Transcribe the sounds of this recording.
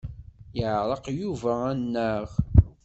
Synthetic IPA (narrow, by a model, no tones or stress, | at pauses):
jʕɾˤɑqjuvæænːəʁ